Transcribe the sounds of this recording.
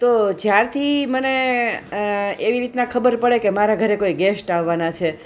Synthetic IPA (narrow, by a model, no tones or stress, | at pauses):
t̪od͡ʒjaɾt̪ʰiməne | eʋiɾit̪nakʰəbəɾpəɭekemaɾaɡʱəɾekoiɡesʈaʋːanat͡ʃʰe